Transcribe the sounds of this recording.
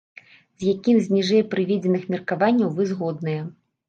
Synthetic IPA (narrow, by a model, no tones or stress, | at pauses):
z̥ʲjakʲimzʲnʲiʐɛjpɾɨvʲɛd͡zʲɛnɨxmʲɛrkavanʲːɐwvɨzɣɔd̪nɨjɛ